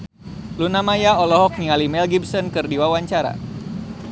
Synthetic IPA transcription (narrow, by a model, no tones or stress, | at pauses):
lunamajaɔlɔɦɔk̚niŋalimɛlɡibsɔnkɨrdiwawaɲt͡ʃaɾa̰